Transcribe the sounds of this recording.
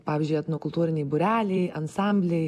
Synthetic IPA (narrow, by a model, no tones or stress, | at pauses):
pɑːʋʲɪzʲd͡ʒʲʊjɐt̪nuɔkʊlˠt̪uːɾʲɪnʲɛɪbʊɾʲæːlʲɛɪɐnsɑˑmʲbʲlʲɛɪ